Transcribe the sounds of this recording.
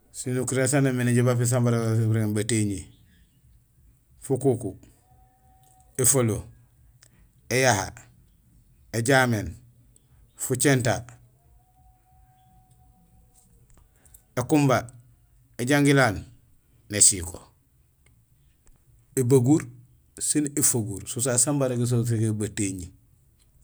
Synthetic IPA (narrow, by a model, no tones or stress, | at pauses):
sinukɾesanameneɟibafis̬ambaɾabɾebateɲi | fukuku | efolo | ejaha̰ | eɟamen | fut͡ʃeːnta | ekumba | eɟaŋɡilaːnː | esiko̰ | ebaɡuɾ | sinefoɡuɾsusasambaɾekis̬os̬ekebateɲi